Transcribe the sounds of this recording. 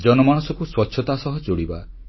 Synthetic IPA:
d͡ʒɔnɔmaɽ̃ɔsɔkuswɔtːʰɔt̪asɔɦɔd͡ʒoɽiba

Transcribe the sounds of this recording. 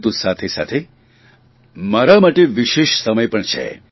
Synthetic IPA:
t̪usat̪ʰesa̰t̪ʰe | maɾamaʈeʋiʃeʃsəməjpəɳt͡ʃʰḛ

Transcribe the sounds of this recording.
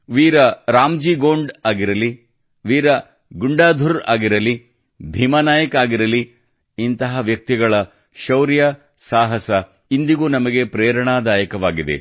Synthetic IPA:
ʋiːɾɐɾaːmd͡ʒiːɡoːɳɖaːɡiɾɐli | ʋiːɾɐ | ɡuɳɖaːd̪ʱuɾa̰ːɡiɾɐli | bʱiːmɐnaːjɐkaːɡiɾɐliː | nt̪ɐɦɐʋjɐk̚t̪iɡɐɭɐ | ʃɐwɾjɐ | saːɦɐsɐ | ind̪iɡuːnɐmɐɡe̞pɾɛːɾɐɳaːd̪aːjɐkɐʋaːɡid̪e̞̰

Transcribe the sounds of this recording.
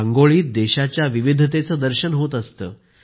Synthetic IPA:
əŋɡoɭiːt̪̚d̪eɕat͡ɕjaʋiʋid̪ʱt̪et͡səːd̪əɾɕənɦot̪əst̪ə̰ː

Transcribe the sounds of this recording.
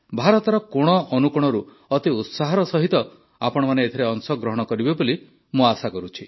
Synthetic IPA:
bʱaɾɔt̪ɔɾɔkoɽ̃ɔʔɔnukuɽ̃ɔɾu | ɔt̪iut̪saɦɔɾɔsɔɦit̪ɔ | a̰pɔɽ̃ɔmaneet̪ʰiɾeɔŋsɔɡɾɔɦɔɽ̃ɔkɔɾibeboli | mũasakɔɾut͡ʃʰi

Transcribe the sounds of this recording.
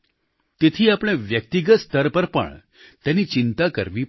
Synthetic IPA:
t̪et̪ʰiapɽ̃eʋjək̚t̪iɡət̪st̪əɾpəɾpə̰ɳ | t̪enit͡ʃɪnt̪akə̰ɾʋi

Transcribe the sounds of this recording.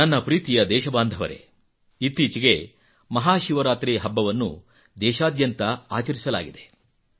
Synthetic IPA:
nɐnːɐpɾiːt̪ijɐd̪ɛːʃɐbaːnd̪ʱɐʋɐ̰ɾe̞̰ | it̪ːiːt͡ʃiɡe̞ | mɐɦaːʃiʋɐɾaːt̪ɾiɦɐbːɐʋɐnːṵ | d̪ɛːʃaːd̪jɐnt̪ɐaːt͡ʃɐɾisɐla̰ːɡid̪e̞̥

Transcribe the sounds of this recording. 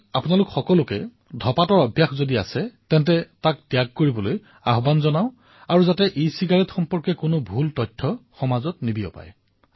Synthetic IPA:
apunalʊkxɔkɔlʊkɛ̰ | dʱɔpatɔɹɔbʱjaxzodia̰sɛtɛntɛtak̚tjaɡ̚koɹibɔloj | aɦbanzɔnaʊ | aɹuzatɛʔejsiɡaɹitxɔmpɔɹkɛkʊnobʱultɔjtʰːɔxɔmazɔtnibiɔ̰pa̰j

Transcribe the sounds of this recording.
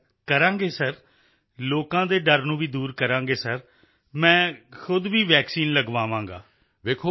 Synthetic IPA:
kəɾãːŋɡeːsəɾ | loːkãːd̪eːɖəɾnũːʋiːd̪uːɾkəɾãːŋɡeːsəɾ | mɛ̃ːxʊd̪ʋiːʋɛːksiːnləɡʋaːʋãːŋɡa̰ː | ʋeːkʰoː

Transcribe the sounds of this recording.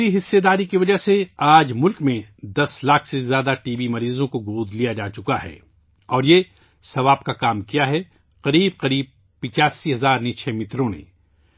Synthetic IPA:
iɦɪsːed̪aːɾikiʋɐd͡ʒəɦseaːd͡ʒmʊlkmẽd̪ɐslaːkʰsezjaːd̪aʈiːʋimɐɾiːzõkoɡuːd̪ʱlijad͡ʒaːt͡ʃʊkaɦɛ̰ː | ɔːɾje | sɐʋaːb̚kakaːmkijaɦɛ | qɐɾiːb̚qɐɾiːb̚ | pɪt͡ʃaːsiɦɐzaːɾnit͡ʃʰemɪt̪ɾõnḛ̃ː

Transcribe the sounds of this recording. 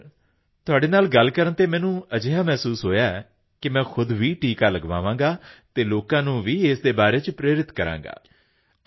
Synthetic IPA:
t̪ʊaːɖeːnaːlɡəlkəɾənt̪eːmɛːnũːəd͡ʒɦaːmɛːsuːsɦoːjaːɛː | kɪmɛ̃ːxʰʊd̪ʋiːʈiːkaːləɡʋã̰ːʋãːɡaːt̪eːloːkãːnũːʋiːesd̪eːbaːɾeːt͡ʃpɾeːɾɪt̪kəɾã̰ːŋɡa̰ː

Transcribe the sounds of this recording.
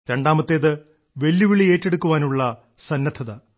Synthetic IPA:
ɾe̞ɳɖaːmɐt̪ːe̞ːðɨ | ʋe̞lːuʋiɭie̞ːtːe̞ɽukːuʋaːnuɭːɐ | sɐnːɐt̪ʰːɐðɐ

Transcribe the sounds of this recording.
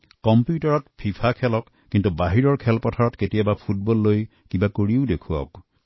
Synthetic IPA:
kɔmpjutaɹɔtpʰipʰakʰɛlɔkːintubaɦiɹɔɹkʰɛlpɔtʰaɹɔtketijabapʰut̚bɔlːoj | kibakoɹiʊdekʰua̰k

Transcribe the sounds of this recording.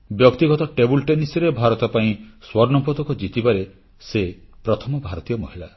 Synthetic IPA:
bjɔkt̪iɡɔt̪ɔʈebulʈenisɔɾebʱaɾɔt̪ɔpaĩswɔɾnɔpɔd̪ɔkɔd͡ʒit̪ipaɾe | sepɾɔt̪ʰɔmɔbʱaɾɔt̪ijɔmɔ̰ɦila

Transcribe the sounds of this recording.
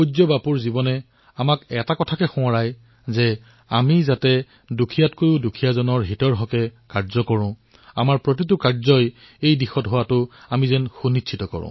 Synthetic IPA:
od͡ʒɔbapuɹzibɔnɛ | amakɛtakɔtʰakɛxʊ̃waɹaj | zɛ | amizatɛ | dukʰijatkojʊdukʰijazɔnɔɹɦitɔɹɦɔkɛkaɹzɔkɔɹʊ̃ | a̰maɹpɹot̬it̬ʊkaɹzɔj | ejdixɔtɦʊwatʊamizɛnxunitt͡ʃʰitɔkɔ̰ɹʊ̰̃

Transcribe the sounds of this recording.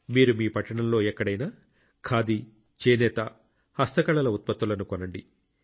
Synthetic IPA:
miːɾumiːpɐʈːɐɳɐmlo̞ːɛkːɐɽɐjnaː | kʰaːd̪i | t͡ʃeːnɛːt̪ɐ̰ | hɐst̪ɐkɐɭɐlɐut̪̚pɐt̪ːulɐnukonɐɳɖi

